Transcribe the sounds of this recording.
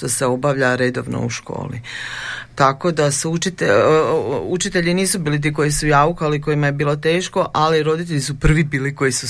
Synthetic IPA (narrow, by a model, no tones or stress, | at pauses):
t̪oseo̞baʋʎaɾe̞d̪o̞ʋno̰uʃko̞̰ːlḭ | t̪ako̞d̪asuut͡ʃit̪e | ut͡ʃit̪e̞ʎiniːsubiːlit̪̬iːko̞jisujaːukaaliko̞jimajebiːlˠo̞t̪e̞ːʃko̞ʔaliɾo̞d̪it̪e̞ʎisupr̩ʋibiːliko̞jisu